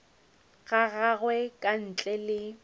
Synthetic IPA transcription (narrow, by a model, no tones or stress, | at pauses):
ɣaɣaɣwɛkʼan̩t͡ɬʼɛlɪ